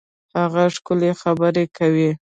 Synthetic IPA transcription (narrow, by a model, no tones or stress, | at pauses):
haɣaʂkʊlexabəɾekawi